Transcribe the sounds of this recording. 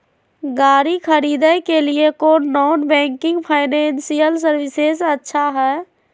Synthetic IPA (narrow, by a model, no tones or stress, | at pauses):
ɡaːɾikʰəɾid̪əjkeliekoːnːɔːnbɛ̃ːŋkɪ̃ŋɡpʰaɪnẽnsijəlsəɾwɪsesətːʃʰaɦɛː